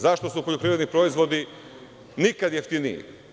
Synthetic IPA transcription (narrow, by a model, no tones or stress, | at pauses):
zaʃt̪osupoʎupɾiʋed̪nipɾoizʋo̞d̪i | nikad̪jeft̪inḭjḭ